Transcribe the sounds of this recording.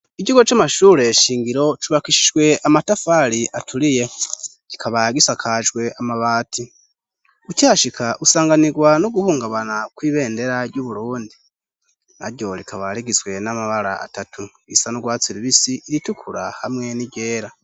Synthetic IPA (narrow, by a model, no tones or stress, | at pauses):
iɟiɡot͡ʃamaʃuːɾe̞ʃiːŋɡiɾo̞t͡ʃuβakiʃi̥ʒɡwe̞amatafaɾiʔatʰuɾije̞ɟ̥ikʰaβaɡisakʰaːʒɡwe̞amaβaːtʰi | ucaːʃikʰaʔusaːŋɡaniɡwanoɡuhuːŋɡaβanakwiːβe̞ːnde̞ɾaɾɟuβuɾuːndi | na̰ɾɟo̞ɾikʰaβaɾiɡizwe̞namaβaɾa̰a̰tatʰu | ḭsanuɡwaːt͡siɾiβisiiɾitukʰuɾa̰hamŋe̞niɟe̞ːɾa